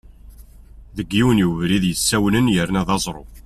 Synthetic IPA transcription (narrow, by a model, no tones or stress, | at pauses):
ðəɡːiwnjuvɾiðjəsːæwnənjəɾnæðɑzˤɾˤo̰